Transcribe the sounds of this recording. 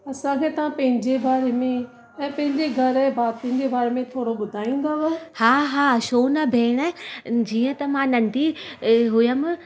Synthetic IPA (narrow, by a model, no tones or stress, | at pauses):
ɐsãkʰeːt̪ɐʋãpɐ̃ɦɪ̃ɲd͡ʑebaːɾemẽ | ɛ̃ːpɐ̃ɦɪ̃ɲd͡ʑeɡʱɐɾɛ̃baːt̪iənd͡ʑebaːɾemẽt̪ʰoːɽoɓʊd̪ʱaːĩːn̆d̪aʋɐhaːɦaːʃoːnɐbʱeːɽ̃əd͡ʑiːə̃t̪ɐmãnɐ̃nɖ̪ʱiɦʊjəm